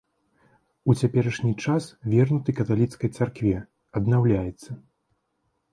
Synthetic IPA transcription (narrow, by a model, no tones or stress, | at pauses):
ut͡sʲapʲɛɾɐʂnʲit͡ʂasvʲɛrnut̪ɨkɐt̪alʲit̪skɐjt̪sarkvʲɛ | ɐd̪nawlʲajɛt̪sːɐ